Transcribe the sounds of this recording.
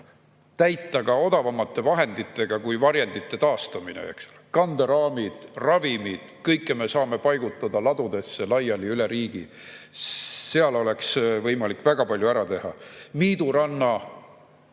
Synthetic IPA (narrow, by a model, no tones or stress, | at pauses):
t̪æjt̪ˑːɑɡ̥ɑo̞d̪ɑvɑmːɑt̪ːˑe̞vɑɦe̞nd̪it̪ˑːe̞ɡ̥ɑkujvɑɾjend̪̥it̪ːe̞t̪ɑːst̪ɑminḛḛksu̥lekɑnd̪̥eɾɑːmid̪̥rɑvimid̪̥kɤjkːˑeme̞sɑːme̞pɑjɡut̪ːˑɑd̪ɑlɑd̪̥ud̪̥e̞sːe̞lɑjɑliyle̞ɾiːɡ̥ḭ | seɑlo̞le̞ksvɤjmɑlikːˑvæɡ̥ɑpɑlʲjuæɾɑt̪e̞hɑ̰miːd̪uɾɑnːɑ